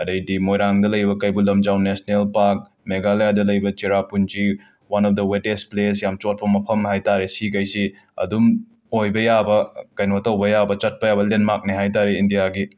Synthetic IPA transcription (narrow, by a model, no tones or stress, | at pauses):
ɐdɐjdimojɾaŋdɐlɐjbɐkɐjbulɐmd͡ʒawnesnelpaɾk̚ | meɡaljadɐlɐjbɐt͡ʃiɾapund͡ʒi | wanɔp̚dɐwetesples̬jamt͡ʃot̚pɐmɐpʰɐmhajtaɾesikɐjsi | ɐ̰dum | ojbɐjabɐkɐjnotɐwbɐjabɐt͡ʃɐt̚pɐjabɐlenmak̚niɦajtaɾeindijaɡi